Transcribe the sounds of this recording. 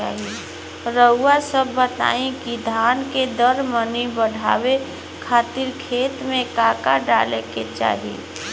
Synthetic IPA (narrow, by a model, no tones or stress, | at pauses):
aːɦi | ɾəʊːasəbːət̪a̰ːĩkid̪ʱaːnked̪əɾmənibəɽʱa̰ːwe | kʰaːt̪iɾkʰeːt̪mẽkaːkaɖaːleket͡ʃa̰ːɦḭ